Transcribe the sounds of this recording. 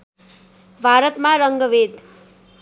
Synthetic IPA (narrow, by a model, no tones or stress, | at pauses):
bʱaɾʌt̪maɾʌŋɡʌbed̪